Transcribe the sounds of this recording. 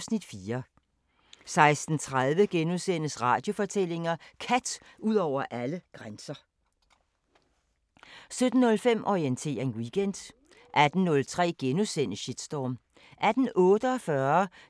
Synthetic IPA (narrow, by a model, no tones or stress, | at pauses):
snid̥fiːɐ | sɑ̈ɪsd̥n̩t͡sʰʁað̞ˠʋəɡ̥enusen̰əsʁɑ̈ːd̥jo̝fɒ̽t͡sʰel̰e̝ŋɐkʰæd̥ | uð̰ˠɒʊ̰ɐʔæləɡ̥ʁansɐ | sød̥n̩ːɔ̽lfem̰ʔɒient͡sʰe̝̰ːɐenwiːɡ̥en̰d̥ | ʔæd̥n̩nɔ̽lt͡sʰʁɛ̰ːɡ̥enusen̰əɕid̥sd̥ɒm | ʔæd̥n̩ɔ̽ːd̥əɒ̽fɶɐ